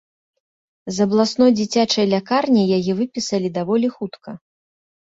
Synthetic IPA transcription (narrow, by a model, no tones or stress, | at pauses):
zɐblˠasnɔjd͡zʲit͡sʲat͡ʂɐjlʲakarnʲijajɛvɨpʲisɐlʲid̪avɔlʲixut̪kɐ